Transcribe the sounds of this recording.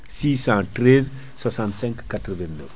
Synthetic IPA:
sisãtrɛz | swasãnt̪sɛ̃ŋkːat̪ɾəvɛ̃nːəf

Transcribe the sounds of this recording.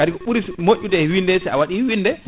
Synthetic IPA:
kadikɔɓuɾismoʔʲːutɛwindɛsɛawaɗiwindɛ

